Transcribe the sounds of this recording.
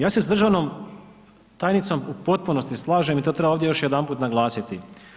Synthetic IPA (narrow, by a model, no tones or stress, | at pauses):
jaːse̞sd̪r̩ʒaʋno̞m | t̪aːjnit̪so̞mupo̞t̪̚punost̪islˠaːʒemit̪ot̪ɾe̞baoʋd̪jejo̞ʃjed̪anpuːt̪naɡlˠaːsit̪i